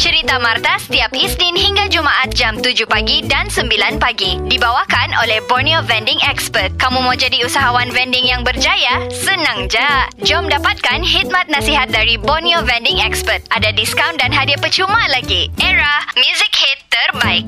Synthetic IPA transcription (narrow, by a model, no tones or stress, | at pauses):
t͡ʃəɾit̪amart̪asə̥t̪iapisninhiŋɡad͡ʒumaʔat̪̚d͡ʒamt̪ud͡ʒʊhpaɡidansəmbilanpaɡidibawakanʔolɛhbɔrniovɛndɪŋɛkspərt̪̚kamũmawd͡ʒadiusaɦawanvɛndɪŋjaŋbərd͡ʒajasənãŋd͡ʒad͡ʒɔmdapat̪̚kanhit̪̚mãt̪̚nasiɦat̪̚daɾibɔniovɛndɪŋɛkspərt̪̚adadiskawndanɦadiapət͡ʃumãlaɡiʔɛɾahmjuzik̚het̪ːərbaɪk̚